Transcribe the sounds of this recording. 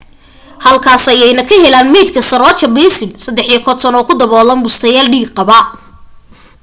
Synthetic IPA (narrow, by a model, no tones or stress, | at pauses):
hɐlkʰaːsɐjɛjnɐkʰɐɦhɛlaːnmɛːd̪kʰɐsɐɾɔːt͡ʃɐbɛːsɪmsɐd̪ːɛħjɐkʰɔt̪ʰɔnɔːkʰʊd̪ɐβɔːlɐnbʊst̪ʰɐjaːlɖiːɡqɑβɐ